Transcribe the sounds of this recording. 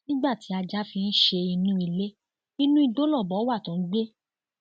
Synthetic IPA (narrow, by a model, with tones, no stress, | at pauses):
nĩ˦ɡ͡ba˦˨ti˨˦a˧d͡ʒa˦fĩ˧n̩˦ʃe˧i˧nũ˦i˧le˦ | i˧nũ˦i˧do˨˦lɔ˦˨bɔ˨˦wa˦˨tũ˨˦ɡ͡be˦